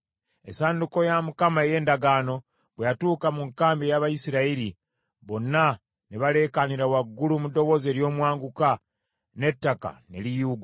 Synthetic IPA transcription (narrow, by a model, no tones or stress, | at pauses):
ḛsaːnduko̞jamukamaeje̞ːndaɡaːno̞ | βwejatuːkamuŋkaːmbejaβajisiɾaiɾi | βo̞nːa | neβale̞kaniɾawaɡːulumudo̞βo̞ze̞ɾjo̞ːmwaːŋɡuka | ne̞tːaka̰ne̞̰lijuːɡa